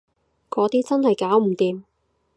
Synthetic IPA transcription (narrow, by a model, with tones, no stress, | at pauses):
kɔː˨˥t̪iː˥t͡sɐ˥nhɐ˨jkaː˨˥wm̩˨˩t̪iː˨m